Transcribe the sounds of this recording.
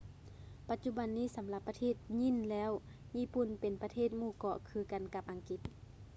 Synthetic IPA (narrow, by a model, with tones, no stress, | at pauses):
pa˧t̪̚t͡ɕu˧ba˨nːiː˥˨sa˨˦mla˧pːa˧t̪ʰeː˧˥˩t̪̚ɲi˧˥˨nlɛː˦˥˨w | ɲiː˧˥˨pu˧˩˨npe˨˩npa˧t̪ʰeː˥˩t̪̚muː˧˩kɔ˧˨kʰɯː˧ka˨nka˧p̚ʔa˨˩ŋki˧˦t̪̚